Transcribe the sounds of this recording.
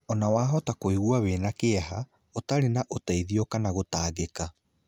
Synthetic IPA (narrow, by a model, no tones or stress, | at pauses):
ɔnawaːɦɔtakoiɣuaweːnakeɛɦa | otaɾenaʔotaiðiɔkanaɣotaːɣeka